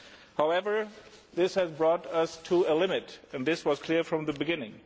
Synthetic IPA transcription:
haʊɛvə˞ | ðɪshɨzbɹɔɾʌstʰuəlɪ̃mɪtɨ̃nðɪswʌz̥kʰl̥ɪɹfɹʌ̃mðəbɨɡɪ̃nɪ̃ŋ

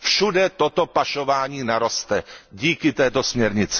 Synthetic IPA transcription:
fʃudɛt̪ot̪opaʃovaːɲiːnaɾo̞st̪ɛɟiːkɪt̪ɛːt̪o̞smɲɛɾɲɪt͡sɪ̥

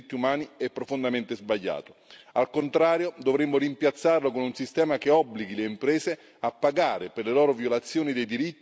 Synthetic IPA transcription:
t̪ːiumaːniɛpːɾofond̪ament̪ezbaʎːa̰ːt̪o̥alkont̪ɾaːɾjod̪ovɾemːʊɾimpjat̪sːarlokonunsist̪ɛːmakeɔbːliɡileimpɾɛːse | apːaɡaːɾeperlelɔːɾovjolat̪sːjoːnid̪ejd̪iɾit̪ː

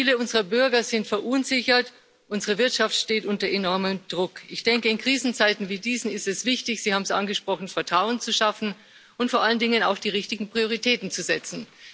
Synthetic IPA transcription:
iːləʊnzəʁɐbʏɐɡɐzɪntfɛɐʔʊnzɪçɐt | ʔʊnzəʁəvɪɐtʃaftʃteːtʔʊntɐʔenɔɐməmd̥ʁʊkʔɪçd̥ɛŋkəɪnkʁ̥iːzn̩t͡saɪtn̩viːdiːzn̩ɪstɛsv̥ɪçtɪçz̥iːhaːbm̩sʔa̰nɡəʃpʁ̥ɔχn̩fɛɐtʁ̥aʊənt͡suʃafn̩ | ʔʊntfoɐʔaləndɪŋənaʊxd̥iːʁɪçtɪɡŋ̩pʁ̥ioʁitʰɛːtn̩t͡suzɛt͡sn̩

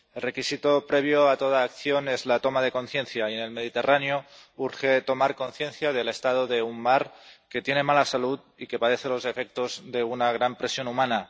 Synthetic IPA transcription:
e̞lre̞kisit̪o̞pɾe̞β̞joat̪o̞ð̞aːkθjo̞ne̞zlat̪o̞maðe̞ko̞nθje̞nθjaie̞ne̞lmeð̞it̪e̞ranjouɾxe̞t̪o̞maɾko̞nθje̞nθjað̞e̞le̞st̪að̞o̞ðe̞ummaɾke̞t̪jene̞malasaluð | ike̞paðe̞θelo̞ze̞fe̞k̚t̪o̞zðe̞unaɣ̞ɾampɾe̞sjo̞numãna

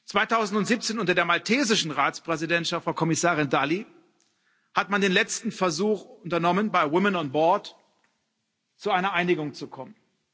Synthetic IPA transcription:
t͡sv̥aɪtʰaʊzn̩tʊntziːp̚t͡seːnʔʊntɐdeːɐmaltʰeːzɪʃn̩ʁaːt͡spʁ̥ɛzidɛntʃaftfʁaʊkʰɔmɪsaːʁɪndali | hatmandeːnlɛt͡stn̩fɛɐzuːxʊntɐnɔmənbaɪwɪmənɔnbɔɐt | t͡suaɪnɐʔaɪnɪɡʊŋt͡sukʰɔmən

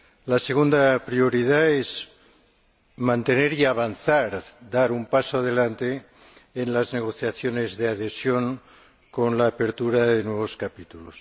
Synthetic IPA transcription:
lase̞ɣ̞und̪apɾio̞ɾiðaez | mãnt̪e̞ne̞ɾiaβanθaɾd̪aɾumpasoað̞e̞lant̪eː | nlazne̞ɣ̞o̞θjaθjo̞ne̞zðeaðe̞sjo̞ŋ | ko̞nlaːpe̞ɾt̪uɾaðenwe̞β̞o̞skapit̪ulos

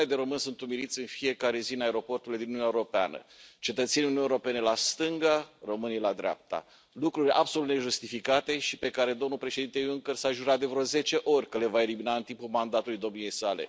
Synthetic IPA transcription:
ed̪eɾo̞mɨnsunt̪umiɾit̪sʲɨnfije̞kaɾe̞zinaeɾo̞po̞rt̪uled̪inununaeuɾo̞pea̰nə̰t͡ʃe̞t̪ət̪se̞niuniuneuɾope̞nelast̪ɨŋɡaromɨnijlad̪ɾea̰p̚t̪a̰ | lukɾurʲa̰bso̞lut̪ne̞ʒust̪ifikat̪e̞ʃipe̞kaɾe̞d̪o̞mnulpɾe̞ʃe̞d̪int̪euŋkərsaʒuɾat̪̚d̪e̞vɾoze̞t͡ʃe̞ʔo̞rʲkəle̞vae̞liminaɨnt̪impulmand̪at̪ulujd̪o̞mnije̞jsale̞̰

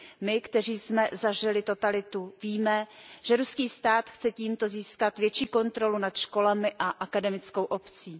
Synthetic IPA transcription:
mɪkt̪ɛriːsmɛzaʒɪlɪt̪o̞t̪alɪt̪uviːmɛʒ̥ɛɾuskiːst̪aːt̪xt͡sɛciːmt̪o̞ziːskat̪vjɛt͡ʃiːko̞nt̪ɾo̞lunat̪ʃko̞lamɪʔaʔakadɛmɪt͡sko̞wʔo̞pt͡siː

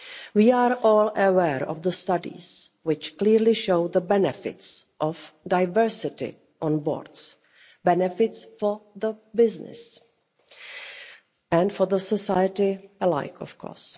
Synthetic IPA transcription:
wiːaːɹʔɔːləwɛːɹɔ̰vðəstadḭzwɪt͡ʃkliɾlɪʃoʊðəbɛnɛfɪ̰tsʔɔfdaɪvɜ˞sɪtɪ̰ | ʔɔ̃nbɔ̰ːɹds | bɛnɛfɪtsfɔðəbɪznɪ̰s | ɛ̃ndfɔðəsɔsajətɪəla̰ɪkʰɔfkʰɔ̰ːɹs

